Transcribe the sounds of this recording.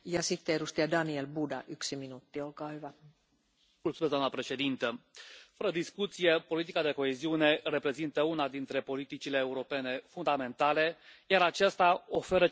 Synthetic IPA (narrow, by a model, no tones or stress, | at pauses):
jɑsit̪ːeedust̪iɑdɑnielbudɑ̰ʔyksiminut̪ːiolkɑːhyʋæ | mult̪sumezd̪oamnəpɾe̞ʃe̞d̪int̪əfəɾəd̪iskut̪sijepo̞lit̪ikad̪e̞ko̞e̞ziune̞re̞pɾe̞zint̪əunad̪int̪ɾe̞po̞lit̪it͡ʃile̞ːuɾo̞pe̞ne̞fund̪ame̞nt̪ale̞jaɾat͡ʃast̪ao̞fe̞ɾə